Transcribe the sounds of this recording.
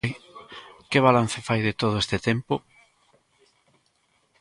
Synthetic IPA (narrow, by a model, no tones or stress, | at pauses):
j | kɪβ̞alan̟θɪfajðɪt̪oðoest̪ɪt̪empo